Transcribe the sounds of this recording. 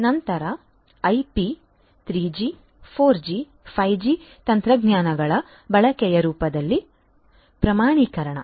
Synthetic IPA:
nɐnt̪ɐɾɐ | ɐjpi | t̪ɾiːd͡ʒi | pʰoːɾd͡ʒi | pʰɐjd͡ʒit̪ɐnt̪ɾɐɡɲaːnɐɡɐɭɐ | bɐɭɐkɛjɐɾuːpɐd̪ɐlːi | pɾɐmaːɳiːkɐɾɐɳɐ̰

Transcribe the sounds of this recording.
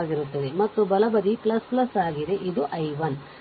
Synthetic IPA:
ɡiɾut̪ːɐd̪e̞mɐt̪ːubɐlɐbɐd̪iplɐsplɐsaːɡid̪e̞ʔid̪uʔɐjʋɐn

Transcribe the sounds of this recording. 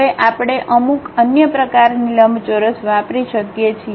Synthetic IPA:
eʔapɽ̃eʔəmukənjəpɾəkaɾniləmbʱt͡ʃoɾəsʋapɾiʃəkjet͡ʃʰi

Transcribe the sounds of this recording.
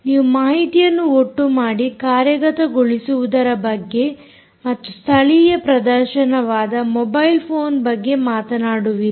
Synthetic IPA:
niːʋumaːɦit̪ijɐnːuoʈːumaːɽikaːɾjɐɡɐt̪ɐɡoɭisuʋud̪ɐɾɐbɐɡːe̞ | mɐt̪ːust̪ʰɐɭijɐpɾɐd̪ɐɾʃɐnɐʋaːd̪ɐmɔbɐjlpʰoːnbɐɡːe̞maːt̪ɐnaːɽuʋi

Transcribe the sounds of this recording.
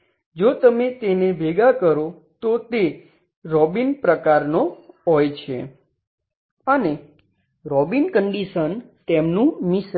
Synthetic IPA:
d͡ʒot̪əmet̪enebʱeɡakəɾo | t̪ot̪e | ɾɔbinpɾəkaɾnoɦɔjt͡ʃʰḛ | əne | ɾɔbinkəɳɖiʃənt̪emnũmis

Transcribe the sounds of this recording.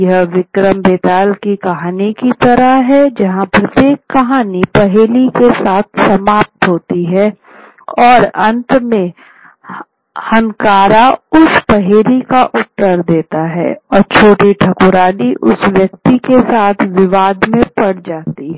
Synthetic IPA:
jɐɦʋɪkɾəmbeːt̪aːlkikɐɦaːnikit̪ɐɾəɦɦɛd͡ʒɐɦãpɾɐt̪jeːkːɐɦaːnipɐɦeːlikesaːt̪ʰsɐmaːp̚t̪ɦoːt̪iɦɛː | ɔːɾɐ̃nt̪mẽ | hɐ̃nkaːɾaʊspɐɦeːlikaʔʊt̪ːəɾd̪eːt̪aɦɛ̰ːɔːɾt͡ʃʰoːʈiʈʰɐkʊɾaːniʔʊsʋjɐkt̪ikesaːt̪ʰʋɪʋaːd̪mẽpɐɽd͡ʒaːt̪iɦɛ

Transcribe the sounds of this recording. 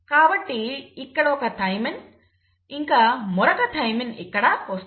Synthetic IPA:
kaːbɐʈːiɪkːɐɽoːkɐt̪ɐjmɪn | iŋkɐmɔɾɐkɐt̪ɐjminḭkːɐɽakoːs

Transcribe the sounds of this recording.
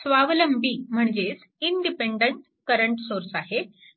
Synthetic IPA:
sʋaʋləmbiːm̤əɳd͡ʑes | iɳɖipeɳɖəɳʈ | kəɾəɳʈsoɾsaɦe

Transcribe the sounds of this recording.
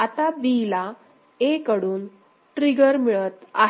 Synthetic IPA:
at̪abila | ekəɽuːn | ʈɾiɡəɾmiɭət̪a̰

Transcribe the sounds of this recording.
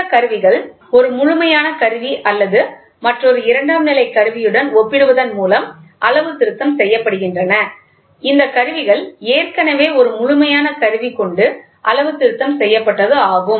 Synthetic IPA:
ɐkɐɾɯʋɪɣɐɭ | ɔɾɯmʊɻʊmɐjaːnɐkɐɾɯʋiʔɐlːɐðɯ | mɐʈrɔɾɯɪɾɐɳɖaːmnɪlɐɪkːɐɾɯʋɪjɯɽɐnɔpːɪɽɯʋɐðɐnmuːlɐmʔɐlɐʋɯt̪ːɪɾɯt̪ːɐmsɛjːɐpːɐɽɯɣɪndrɐnɐ | ɪnd̪ɐkɐɾɯʋɪɣɐɭeːrkɐnɐʋeːɔɾɯmʊɻʊmɐjaːnɐkɐɾɯʋikɔɳɖɯ | ʔɐlɐʋɯt̪ːɪɾɯt̪ːɐmsɛjːɐpːɐʈːɐðɯaːɣɯm

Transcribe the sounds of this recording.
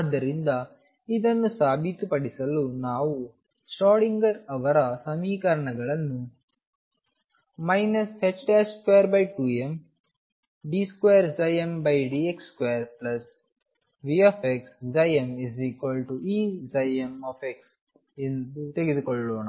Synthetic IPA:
ɐd̪ːɐɾind̪ɐ | id̪ɐnːusaːbit̪upɐɽisɐlunaːʋu | sʈaːɽiŋɡɐɾɐʋɐɾɐsɐmiːkɐɾɐɳɐɡɐɭɐnːu | mɐjnɐset͡ʃʈeskʋejɐɾbɐjʈuːem | ɖiskwejɐɾd͡ʒɐjembɐjɖiekskʋejɐɾplɐs | ʋiaːfʰeksd͡ʒɐjemiziːkʋɐlʈuʔiːd͡ʒɐjemaːfeks | end̪ut̪eɡed̪ukɔɭːoːɳa

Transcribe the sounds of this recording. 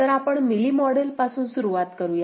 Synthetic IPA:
əɾapəɳmilimɔɽelpasuːnsuɾuʋat̪kəɾuːje

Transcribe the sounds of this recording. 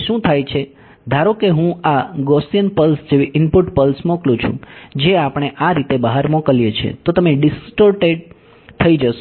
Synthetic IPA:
ʃũt̪ʰajt͡ʃʰe | d̪ʱaɾokeɦũaɡɔsijənpəlsd͡ʒeʋiʔɪmpʊʈpəlsmoklũt͡ʃʰṵ̃d͡ʒeapɽ̃eʔaɾit̪ebəɦaɾmokəljet͡ʃʰḛt̪ot̪əmeɖɪsʈəɾʈeɖ | t̪ʰəid͡ʒəʃ

